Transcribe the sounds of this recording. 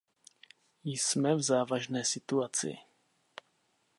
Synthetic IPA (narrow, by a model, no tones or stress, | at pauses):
jsmɛvzaːvaʒnɛːsɪt̪uat͡sɪ̰